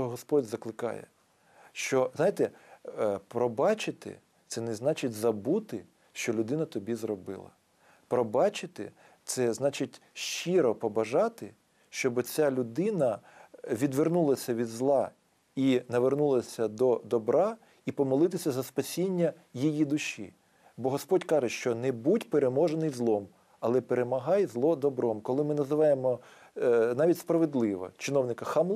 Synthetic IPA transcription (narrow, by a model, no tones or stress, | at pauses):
ɦɔspɔdʲzɐklˠɪkɑ̰jɛ̰ | ʃt͡ʃɔznɑjɪt̪ɛ | pɾɔbɑt͡ʃɪt̪ɪ̰ | t̪sɛnɛznɑt͡ʃɪtʲzɐbut̪ɪ | ʃt͡ʃɔlʲʊd̪ɪnɐt̪ɔbʲizrɔbɪ̰lˠɐ̰ | pɾɔbɑt͡ʃɪt̪ɪ̰ | t̪sɛznɑt͡ʃɪtʲʃt͡ʃiɾɔpɔbɐʒɑt̪ɪ | ʃt͡ʃɔbɔt͡sʲalʲʊd̪ɪnɐʋʲid̪ʋernulˠɐsʲɐʋʲid̪zlˠɑ | inɐʋernulˠɐsʲɐd̪ɔd̪ɔbɾɑ | ipɔmɔlˠɪt̪ɪsʲɐzɐspɐsʲinʲːɐ | jijid̪ʊʃʲḭ | bɔɦɔspɔdʲkɑʒeʃt͡ʃɔnɛbudʲpeɾemɔʒenɪjzlˠɔm | ɐlˠɛpeɾemɐɦɑjzlˠɔd̪ɔbɾɔmkɔlˠɪmɪnɐzɪʋɑjemɔ | nɑʋʲitʲspɾɐʋed̪lˠɪʋɔ̰t͡ʃɪnɔwnɪkɐxɐmlˠ